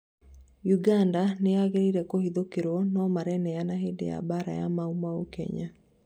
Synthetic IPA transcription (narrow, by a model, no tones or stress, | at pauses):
juɡandaneaɣeɾiɾɛkohiðokeɾwɔnɔmaɾɛnɛjanaɦedḛja̰baɾa̰ja̰maumaokɛ̰ɲa